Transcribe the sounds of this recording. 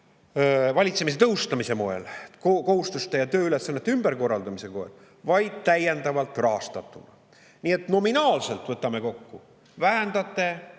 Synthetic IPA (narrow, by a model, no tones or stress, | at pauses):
vɑlʲit̪se̞mis̬e̞t̪ɤwst̪ɑmise̞mo̞e̞̰lkoko̞ɦust̪ust̪e̞jɑt̪ø̞ːyle̞sːɑnːet̪ːymb̥eɾko̞rːɑld̪ɑmise̞koḛl | vɑjd̪̥̚t̪æje̞nd̪ɑvɑlt̪ˑrɑɦɑst̪ɑt̪ːˑunɑ̰ | nie̞t̪no̞minɑːlse̞lt̪vɤt̪ːˑɑme̞ko̞kːu | væɦænd̪̥ɑt̪ːˑe̞